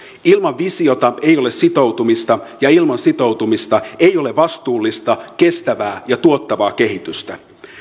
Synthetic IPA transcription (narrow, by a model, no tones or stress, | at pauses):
ilmɑʋʋisio̞t̪ɑe̞jo̞lessit̪o̞wt̪umist̪ɑjɑilmɑnsit̪o̞wt̪umist̪ɑe̞jo̞leʋɑst̪uːlːist̪ɑke̞st̪æʋæːjɑt̪uot̪ːɑʋɑːk̟e̞ɦit̪yst̪æ